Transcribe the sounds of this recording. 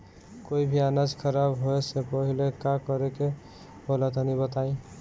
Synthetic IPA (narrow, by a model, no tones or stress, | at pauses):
koibʱianad͡ʒkʰəɾabɦoesepəɦilekakɔɾeke | bolat̪anibət̪aĩ